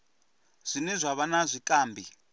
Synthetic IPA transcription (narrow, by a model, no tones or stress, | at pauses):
z̥ʷinizʷaβanazʷikʼaːmbʱi